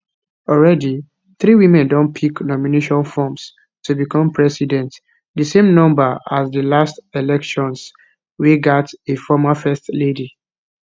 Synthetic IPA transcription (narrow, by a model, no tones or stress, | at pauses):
ɔlɹɛdi | θɹiwĩmɛ̃ndɔ̃npʰiknɔmineʃɔ̃nfɔms | tubikʰɔ̃mpʰɹɛsidɛ̃nt | dəsẽmnɔ̃mbaasdəlastelɛkʃɔ̃ns | wiɡatefɔmafɛstledi